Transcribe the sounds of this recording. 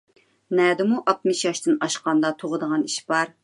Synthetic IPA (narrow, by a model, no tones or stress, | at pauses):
nɛːd̪ɪmuʔɑt̪mɪʃjɑʃt̪ɨnɑʃqɑnd̪ɑt̪ʰoʁəd̪əʁɑniʃb̥ɑɾ